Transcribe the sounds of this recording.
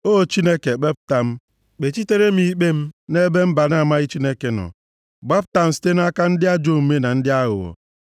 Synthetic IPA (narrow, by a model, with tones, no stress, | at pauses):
o˦˨t͡ʃi˦ne˦ke˨ɡ͡be˦p̚ta˨m̩˦ | k͡pe˨t͡ʃi˦te˦ɾe˦mi˦k͡pe˦m̩˦ne˦be˦m̩˦ba˨na˦˨ma˦ɣɪ˦t͡ʃi˦ne˦ke˨nɔ̰˨ | ɡ͡ba˦p̚ta˨m̩˦si̥˦te˦n˦a˦ka˦n̩˦dɪ˦a˦d͡ʒo˦˨m̩˨me˦na˨n̩˦dɪ˦a˦ɣʊ̰˨wɔ̰˨